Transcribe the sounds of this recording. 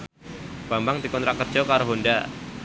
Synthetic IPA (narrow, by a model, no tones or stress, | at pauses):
b̥ambaŋt̪ikɔnt̪ɾaʔkərd͡ʒɔkaɾoɦonda